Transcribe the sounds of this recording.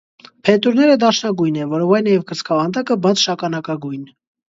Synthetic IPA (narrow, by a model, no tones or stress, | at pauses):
pʰɛt̪uɾnɛɾəd̪ɑʃnɑɡujnɛvɔɾɔvɑjnɑjɛvkəɾt͡sʰkʰɑvɑnt̪ɑkəbɑt͡sʰʃɑkɑnɑkɑɡujn